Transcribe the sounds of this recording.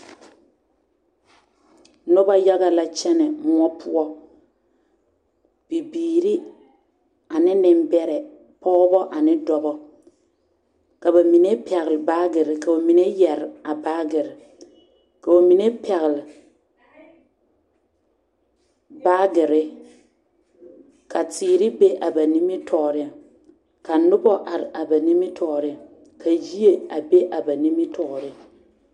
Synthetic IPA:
no˦ba˦ja˦ɣa˦la˦t͡ʃɛ˦nɛ˨mʊ˦ɔ˦pʰʊ˦ɔ˦ | b̥i˨biː˨ɾi˦ | a˨nɪ˦nɪ˨m˦bɛ˦ɾɛ˨ | pʰɔ˦ɣbɔ˦ʔa˨nɪ˦dɔ˨bɔ˦ | ka˨ba˨mi˨ne˦pɛ˨ɣɪ˨lbaː˦ɡɪ˨ɾɪ˨ka˨o˨mi˨ne˦jɛ˨ɾɪ˨a˨baː˦ɡɪ˨ɾɪ˨ | ka˨o˨mi˨ne˦pɛ˨ɣɪ˨lɪ˨ | baː˦ɡɪ˨ɾɪ˦ | kʰa˨tʰiː˨ɾɪ˦be˦ʔa˨ba˨ni˦mɪ˦tʰɔ˨ʔɾɪ˦ | ka˨nʊ˦bɔ˦ʔa˨ɾɪ˨a˨ba˨ni˦mi˦tʰɔ˨ɾɪ˦˨ | kʰa˨ji˦e˨a˨be˦ʔa˨ba˨ni˦mi˦tɔ˨ɾɪ˦

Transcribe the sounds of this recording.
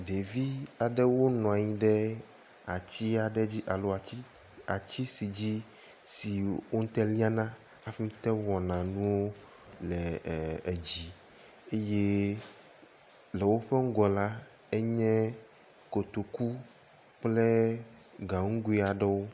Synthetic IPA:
ɖe˨vi˦a˨ɖɛ˦wo˦nɔ̃˨a˨ɲĩ˦ɖɛ˦ | a˨t͡ɕi˦a˨ɖɛ˦d͡ʑi˦ʔa˨lo˨˦a˨˦ | a˨t͡ɕi˦si˨d͡ʑi˦ | si˨wo˦ŋ̩˦t̪ɛ˦li˦a˦nã˦ | a˨fi˦m̩˦t̪ɛ˦wɔ˨nã˨nũ˦wo˦ | lɛ˨e˨d͡ʑi˨ | e˦jɛ˦ | lɛ˨wo˦ɸɛ˦ŋ̩˦ɡɔ˨la˦ | ɛ˦ɲɛ̃˦ | ko˨t̪o˨ku˦ | k͡plɛ˦ | ɡã˨ŋ̩˦ɡu˦i˦a˨ɖɛ˦wo˦

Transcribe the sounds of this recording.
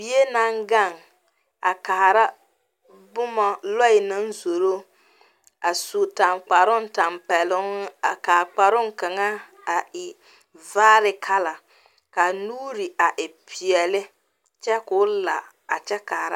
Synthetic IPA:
bi˨˦e˦na˦ŋɡa˦˨ŋ | a˨ka˨ha˨ɾa˦ | bʊ˦mɔ˨lɔ˦ɪ˨nɨ˦n˦zo˨ɾo˦ | a˨su˨ta˨mk͡pa˨ɾʊ˦n̩˦ta˨mpɛ˨lʊ˦ŋ˦a˨ka˨k͡pa˨ɾʊ˦ŋ˦ka˨ŋa˦ | a˨ʔɪ˨ | vaː˦ɾɪ˨kʰa˦la˨ | ka˨nuː˦ɾi˨a˨ʔɪ˨pʰi˨ɛ˨lɪ˦ | t͡ʃɛ˦kʊ˦la̰˨ | a˨t͡ʃɛ˦ka˨hɾa̰˦

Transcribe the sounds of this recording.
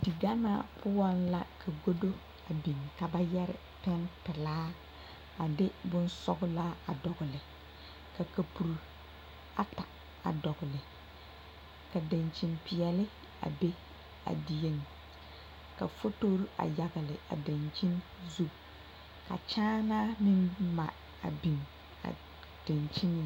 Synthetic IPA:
di˨ɡa˦na̰˦pʰʊ˦wa˦nla̰˦kʰa˨ɡo˦do˦ | a˨bi˨ŋka˨ba˦jɛ˦ɾɪ̰˨ | pɛ˦npɪ˨laː˦ | a˨dɪ˦bʊ˦n˦sɔ˦ɡʊ˦la˦a˨dɔ˨ɣʊ˨lɪ˨ | ka˨ka˨pu˨ɾu˨ | a˨ta˨ | a̰˨dɔ˨ɣʊ˨lɪ˨ | ka˨da˨nt͡ʃi˨npi˨jɛ˨lɪ˦ | a̰˨be˦ | a̰˨di˨je˦n | ka̰˨fo˦toː˦ɾu˦ʔa̰˨ja˨ɣɪ˨lɪ˨a̰˨da˨nt͡ʃi˦n | zu˦ | ka̰˨t͡ʃaː˦na˦mɪ˦nma̰˨ | a̰˨bi˨m | a̰˨ | d̥a˨nt͡ʃi˦nɪ˨

